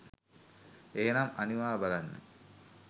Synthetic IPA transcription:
eːnamaniʋaːbalanːə̰

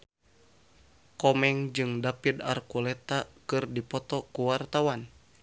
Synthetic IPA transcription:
kɔmɛŋd͡ʒɨŋdapid̪a̰rkulɛt̪akɨrdipɔt̪ɔkuwart̪awan

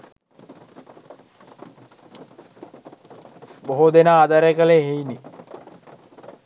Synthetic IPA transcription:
boɦod̪enaːd̪aɾekəleɦejni

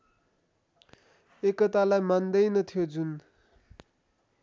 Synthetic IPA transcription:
ekʌt̪alajmand̪ʌjnʌt̪ʰjod͡zun

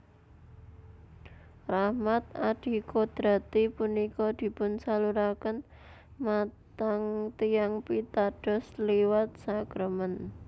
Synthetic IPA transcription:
rahmat̪̚aɖ̪̥i̤kod̪̥ɾa̤t̪ipunikɔd̪̥i̤pʊnsaluɾakən | mat̪aŋt̪ijaŋpit̪aɖ̥ɔ̤sliwat̪̚saɡ̥ɾəmən

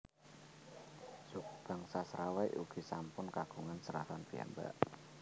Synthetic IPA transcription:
sukb̥a̤ŋsasɾawajʔṵɡ̥i̤sampʊnkaɡ̥ṳŋansəɾa̰fanfia̰mba̰ʔ

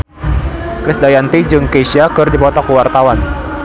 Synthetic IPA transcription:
kɾɪsdajant̪id͡ʒɨŋkesiakɨrdipɔt̪ɔkuwart̪awan

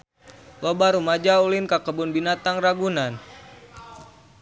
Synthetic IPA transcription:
lobaɾumad͡ʒaulinkakəbʊnbinat̪aŋraɡunan

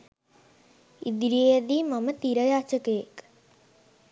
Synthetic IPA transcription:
id̪iɾiejəd̪iːmamət̪iɾəjaːt͡ʃəkəjek

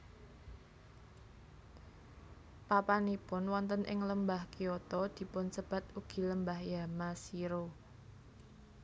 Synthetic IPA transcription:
papanipʊnwɔnt̪ənʔɪ̰ŋləmbahkijɔt̪ɔd̪̥i̤pʊnsəb̥ä̤t̪̚uɡ̥i̤ləmbahjamasiɾo

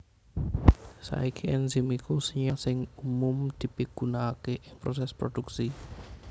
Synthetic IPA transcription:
sa̰ikʰiɛnzimikusəɲasɪŋumʊmd̪̥i̤piɡ̥unakeʔɪŋpɾosɛspɾod̪̥uksi

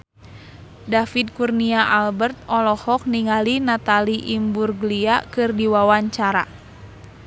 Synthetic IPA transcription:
dafid̪̚kurniaʔalbərt̪̚ɔlɔhɔk̚niŋalinat̪aliʔimburɡliakɨrdiwawaɲt͡ʃaɾa̰

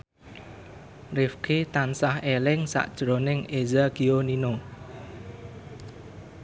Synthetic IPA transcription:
rɪfkʰit̪ansahelɪŋsa̰ʔd̥ʒ̥ɾonɪŋezəɡ̥ionino

